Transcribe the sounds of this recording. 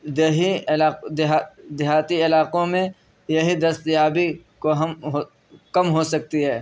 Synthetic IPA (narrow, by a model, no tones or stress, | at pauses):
ɐɦiɪlaːd̪ɪɦad̪ɪɦaːt̪iɪlaːqõmẽ | jɐɦid̪ɐst̪jaːbikoɦɐmɦo | kɐmɦosɐk̚t̪iɦɛː